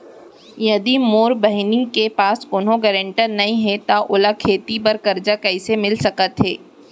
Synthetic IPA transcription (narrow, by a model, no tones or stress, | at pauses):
jɐd̪imoːɾbɐɦɪnɪ̃ŋɡkepaːskʊːnõɡɛːɾə̃ɳʈəɾnɐĩɦɛt̪aʔʊlakʰeːt̪ipɐɾkɐɾd͡ʒakɐɪsemɪlsɐkət̪ɦɛː